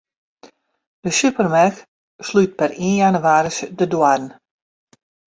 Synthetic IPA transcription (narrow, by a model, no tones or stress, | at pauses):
d̥əsypərmax | slyt̚pɛrinjanuʋaːɾəsdədwadn̩